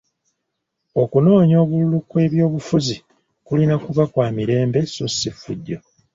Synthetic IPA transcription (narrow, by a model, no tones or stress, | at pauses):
o̞kuno̞ːɲo̞ːβululukwe̞ːβjo̞ːβufuzi | kulinakuβakwaːmiɾe̞ːmbe̞susifːṵɟːo̞